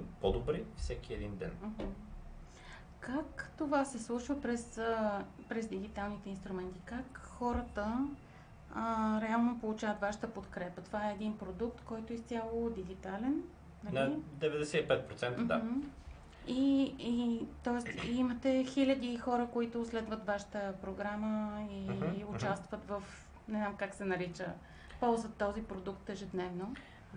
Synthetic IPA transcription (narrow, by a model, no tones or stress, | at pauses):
pod̪obɾifsɛkiɛd̪ind̪ɛ̰nm̩ɦ̩ | kakt̪ovasɛslˠuʃvəpɾɛsə | pɾɛzd̪iɡ̟it̪alˠnit̪ɛinst̪ɾumɛnt̪ikakxɔɾət̪ə | ɾɛalˠnopolˠut͡ʃavət̪vaʃə̥t̪əpot̪kɾɛpət̪ovaɛːd̪inpɾod̪uk̚t̪kɔjt̪oist̪ʲjalˠod̪iɡit̪alɛn | nɐld̪ɛvɛd̪ɛsɛipɛt̪̚pɾot̪sɛnt̪d̪a | iit̪ɔɛst̪imət̪ɛxilʲəd̪ixɔɾəkoit̪ʊslɛd̪vət̪vaʃə̥t̪əpɾoɡɾaməiʊt͡ʃast̪vət̪vəf | nɛznamkaksɛnɐɾit͡ʃə | pɔlˠzvət̪ːɔzipɾod̪ukt̪ɛʒɛd̪nɛvno